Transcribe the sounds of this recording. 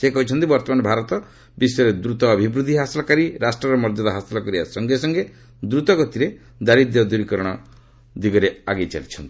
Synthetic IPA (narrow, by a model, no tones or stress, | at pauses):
sekɔɦut͡ʃʰɔnt̪ibɔɾt̪ɔmanɔbʱaɾɔt̪ɔ | bisɔɾed̪ɾut̪ɔːbʱibɾud̪ʱiɦaslɔkaɾiɾasʈɾɔɾɔmɔɾd͡ʒɔd̪ɔɦasilɔkɔɾiasɔŋɡesɔŋɡe | d̪ɾut̪ɔɡɔt̪iɾe | d̪aɾid̪jɔd̪uɾikɔɾɔɽ̃ɔ | d̪iɡɔɾeaɡet͡ʃa̰lit͡ʃʰɔnt̪i̥